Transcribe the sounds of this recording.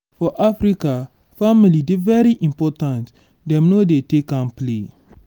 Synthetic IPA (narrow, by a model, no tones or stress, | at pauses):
fɔʔafɾika | familidevɛɾiʔĩmpɔtãnt | dɛ̃mnodetekãmple